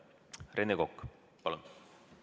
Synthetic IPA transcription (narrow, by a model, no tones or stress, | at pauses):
rʔenekokː | pɑlun